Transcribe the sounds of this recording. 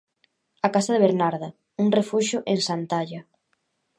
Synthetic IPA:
akasaðeβeɾnaɾða | uŋrefuʃʊʔeŋsant̪aʎa

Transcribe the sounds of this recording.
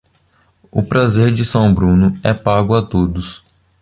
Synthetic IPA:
ʊ̰pɾazeɾd͡ʒɪsɐ̃w̃bɾũnʊɛpaɡʊat̪od̪ʊs

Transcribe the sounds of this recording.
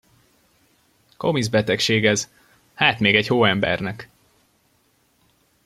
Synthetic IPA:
ko̞mizbɛt̪ɛkʃeːɡɛz̥ | haːt̪meːɡɛɟhoːɛmbɛ̰rnɛk

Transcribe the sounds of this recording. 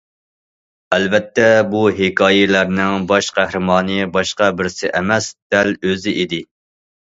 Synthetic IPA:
ɛlvɛt̪ʰːɛbuɦɪkʰɑːjilæɾnɪŋbɑʃqʰæhɾɪmɑːnɨbɑʃqɑbɪɾsɪʔɛmɛsd̪̥ɛløzɪʔid̪ɪ

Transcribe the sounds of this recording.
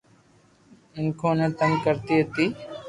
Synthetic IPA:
ɪnkʰõːnẽːt̪əmkəɾt̪iːɦət̪iː

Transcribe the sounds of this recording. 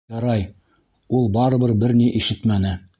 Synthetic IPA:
ɑɾɑj | ulˠbɑɾɤ̆βɤɾbɘɾniʔiʃɘt̪mænɘ

